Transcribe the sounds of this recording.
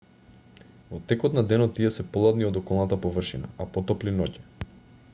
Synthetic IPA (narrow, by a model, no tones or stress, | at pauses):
vɔt̪ɛkɔt̪nad̪ɛnɔt̪ːiɛsɛpolˠad̪niod̪ɔkɔlˠnat̪apovr̩ʃina̰apot̪ɔplinɔcɛ̥